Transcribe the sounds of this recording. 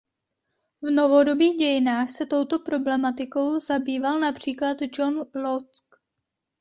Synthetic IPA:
vno̞vo̞do̞biːɣɟɛjɪnaːxsɛt̪o̞wt̪o̞pɾo̞blɛmat̪ɪko̞wzabiːvalnapr̝̥iːklat̪d͡ʒonlot͡sk

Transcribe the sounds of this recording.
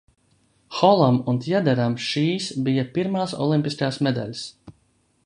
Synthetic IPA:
xɔlˠamunt̪jad̪æɾamʃiːsbijapiɾmaːsɔ̰lˠimʲpʲiskaːsmɛd̪a̰lʲs

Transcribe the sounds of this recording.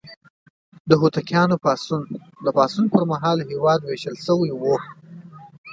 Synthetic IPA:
d̪əɦut̪akjɑnopɑsun | d̪əpɑsunpəɾmaɦɑlɦewɑd̪weʃəlʃəwajwu

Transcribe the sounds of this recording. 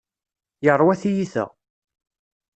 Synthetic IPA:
jərˤːwæθijiθə̰ʁ

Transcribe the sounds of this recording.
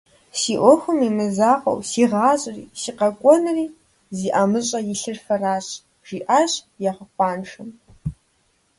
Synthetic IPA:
siːʔʷɔxʷʊmiːmɨzaːqɐ̰wsiːʁɑːɕʼrḭːsiːqɐkʷʼɔnɨriː | ziːʔamɨɕʼɐjɪɬɨrfɐraːɕʼ | ʒ̥iːʔaːɕʼ | jaʁəqʷʼɑːnʂɨm

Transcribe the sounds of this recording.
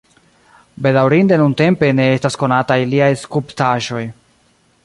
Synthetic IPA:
be̞dawɾinde̞nunte̞mpe̞ne̞estasko̞natajliajskuptaʒo̞j

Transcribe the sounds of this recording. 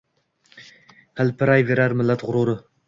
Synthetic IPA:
hælpʰɪɾajveɾaɾmɪlːat̪ʁʊɾuɾɪ

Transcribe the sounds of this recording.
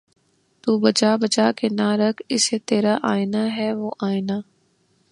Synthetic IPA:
t̪uːbɐd͡ʒaːbəd͡ʒaːkenaɾɐkʰɪset̪eːɾaʔaːɪnaɦɛːʋoːʔaːɪnaː

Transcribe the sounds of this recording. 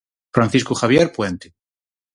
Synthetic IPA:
fɾanθiskuxaβjeɾpwent̪e̥

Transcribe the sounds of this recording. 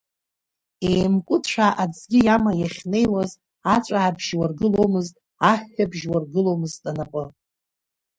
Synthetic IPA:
ejmkʷʼʊtʰt͡ɕʷʰᶣaʔad͡zɡʲɪjamajaχʲne̞jwaz | at͡ʃʷʼaʕabʒ̥warɡɨlo̞wmɨztʼ | aħːabʒwarɡɨlo̞wmɨztʼanapʼɨ

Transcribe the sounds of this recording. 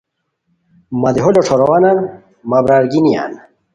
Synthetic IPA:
mad̪iɦɔlɔʈ͡ʂʰɔɾɔwanan | mabɾaɾɡinija̰n

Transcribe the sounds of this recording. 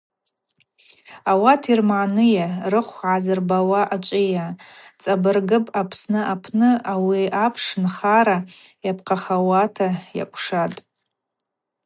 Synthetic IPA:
awatʰirmaːnɨjarɨχʷʕazɨrbawaʔat͡ʃʷʼɪjat͡sʼabɨrɡɨpʼapʰsnɨʔapʰnɨawiapʰʂɨnχaɾajapʰqʰaχawatʰaja̰kʷʰʼʂatʼ

